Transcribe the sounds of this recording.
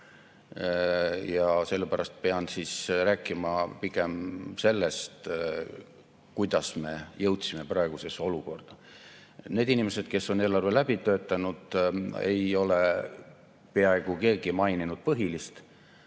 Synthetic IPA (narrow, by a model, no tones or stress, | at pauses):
jɑse̞lːepæɾɑst̪̚pe̞ɑnd̪sisræːkːˑimɑpiɡe̞mse̞lːest̪ | kujd̪̥ɑsme̞jɤwt̪sime̞prɑeɡ̥use̞so̞luko̞rd̪̥ɑ | ne̞ːd̪̥inime̞se̞d̪̥ke̞sːo̞ne̞ːlɑrve̞læb̥it̪ø̞ːt̪ːˑɑnud̪̥e̞̰jo̞le | peɑe̞ɡ̥uke̞ːɡ̥imɑjninud̪̥̚pɤɦilist̪